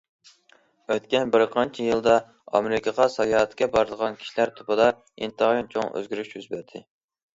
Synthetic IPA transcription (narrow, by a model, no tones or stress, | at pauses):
øt̪̚kʲɛnbɪɾqʰɑnt͡ʃʰijɨlˠd̪ɑ | ɑ̰meɾɪkʰɑʁɑsɑjɑːt̪kʲɛbɑɾɨd̪əʁɑnkʲʰi̥ʃilæɾt̪ʰupɨd̪ɑ | ḭnt̪ɨʁjint͡ʃʰoŋø̰zɡʲyɾyʃjyzbæɾd̪ʰɪ